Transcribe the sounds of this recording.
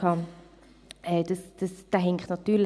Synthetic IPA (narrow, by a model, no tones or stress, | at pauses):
ɑː | ɛd̥əsd̥əsd̥aɦɛŋktnɑt̪ːyːl